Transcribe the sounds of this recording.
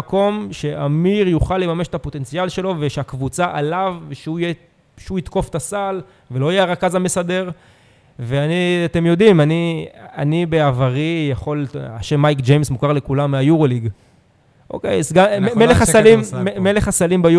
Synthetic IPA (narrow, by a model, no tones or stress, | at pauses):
ko̞mʃe̞ʔamiʁjuχalːemame̞ʃet̪apo̞t̪e̞nt͡sialʃe̞lo̞veʃeakvut͡saʔalaveʃeuje | ʃeuit̪ko̞ftasal | veloajeaʁakazamesade̞ʁ | veaniat̪e̞mjo̞dimania̰nibe̞avaʁijaχo̞la̰ʃemːajkd͡ʒejmsmukaʁle̞kulamːeajuʁoliɡ | ʔo̰kḛjsɡameleχasalimmeleχasalimbaju